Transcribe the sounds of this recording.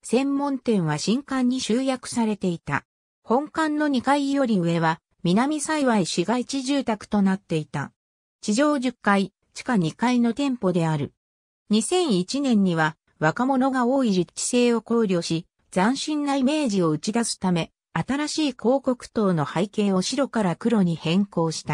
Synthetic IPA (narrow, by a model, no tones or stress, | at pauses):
sẽ̞mːõ̞nt̪ẽ̞ɰ̃β̞aɕĩŋkãɲ̟ːiɕɨːjakɯ̟̥saɾe̞t̪e̞it̪a̰ | hõ̞ŋkãnːo̞ɲ̟ikaijo̞ɾʲiɯ̟βe̞βa | mʲinamʲisaiβaiɕiɡait͡ɕiʑɨːt̪akɯ̟̥t̪o̞nat̪ːe̞it̪a̰ | t͡ɕiʑo̞ːʑɨkːai | t͡ɕi̥kaɲ̟ikaino̞t̪ẽ̞mpo̞d̪e̞aɾɯ̟ | ɲ̟isẽ̞ɰ̃it͡ɕinẽ̞ɲ̟ːiβa | βakamo̞no̞ɡao̞ːiɾit͡ɕi̥se̞ːo̞ko̞ːɾʲo̞ːɕi | d͡zãɰ̃ɕĩnːaime̞ːʑio̞ɯ̟t͡ɕid̪asɨ̥t̪ame̞ | at̪aɾaɕiːko̞ːko̞kɯ̟̥t̪o̞ːno̞haike̞ːo̞ɕiɾo̞kaɾakɯ̟ɾo̞ɲ̟ihẽ̞ŋko̞ːɕi̥t̪a